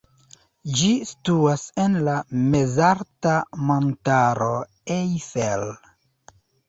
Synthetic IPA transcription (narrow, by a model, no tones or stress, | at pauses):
d͡ʒistuasenlamezaɾtamontaɾo̞ | ejfel